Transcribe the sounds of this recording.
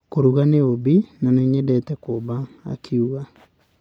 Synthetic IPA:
koɾuɣaneobinaneɲɛdɛtɛkoβa̰ːkʰiuɣa

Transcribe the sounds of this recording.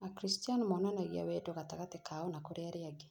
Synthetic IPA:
akɾistianmɔnanaɣia̰wedoɣataɣatekʰaonakoɾeaɾeaɡe

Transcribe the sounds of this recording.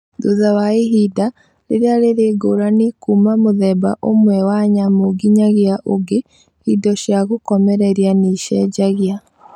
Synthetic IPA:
ðoðawaeɦida | ɾḛɾeaɾeɾeɡoːɾanikuːmamoðɛba̰ʔomwɛwaɲamoɡiɲaɣjaʔoɡe | hidɔɕjaɣokɔmɛɾɛɾianiʃɛɟaɣja

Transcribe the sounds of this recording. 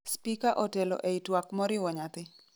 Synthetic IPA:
spikaʔɔtɛlɔ̰ʔɛitwakmɔɾɪwɔɲat̪ɪ

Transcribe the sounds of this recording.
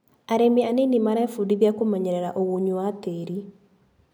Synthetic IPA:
aɾemeanenimaɾaefudiβjakomaɲɛɾɛɾaʔoɣoɲuateɾi

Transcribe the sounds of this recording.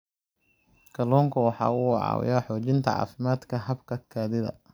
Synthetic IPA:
kʰɐlɔːŋkʰɐwɑħɑ̰ːʊʕɑ̰ːwɪ̰jaːħɔːt͡ʃɪnt̪ʰɐʕɑ̰ːfɪmaːd̪kʰɐɦɐbkʰɐkʰaːðɪðɐ̰

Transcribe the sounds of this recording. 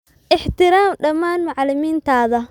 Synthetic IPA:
ʔɪħt̪ɪɾaːmɖɐmaːnmʊʕlɪmiːnt̪ʰaːðɐ

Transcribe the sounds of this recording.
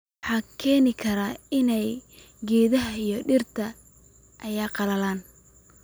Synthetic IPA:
ħɑːkʰɛːnɪkʰɐɾaːɪnɛj | ɡɛːðɐɦɐijɔɖɪrt̪ʰɐ | ʔɐjaːqɑlɐlaːn

